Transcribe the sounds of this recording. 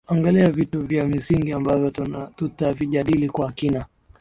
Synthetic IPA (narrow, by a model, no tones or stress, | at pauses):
aŋɡaliavituvjam̩siŋɡiambavjɔtutaviʄaɗilikwaːkina